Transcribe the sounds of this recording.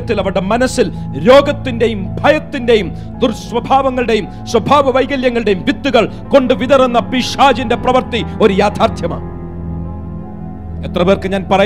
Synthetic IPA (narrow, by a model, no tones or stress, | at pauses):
ɐt̪ːilɐʋɐɽemɐnɐsːilɾo̞ːɡɐt̪ːinde̞jumbʱɐjɐt̪ːinde̞jum | d̪urswɐbʱaːʋɐŋːɐɭɨɽe̞jum | swɐbʱaːʋɐʋɐjɡɐljɐŋːɐɭɨɽe̞jumʋit̪ːuɣɐɭ | ko̞ɳɖɨʋid̪ɐrenːɐpiʂaːd͡ʑinde̞prɐʋɐrt̪io̞ɾujaːd̪ʱaːrt̪ʰjɐma̰ː | et̪rɐʋeːrkɨɲaːnpɐrɐ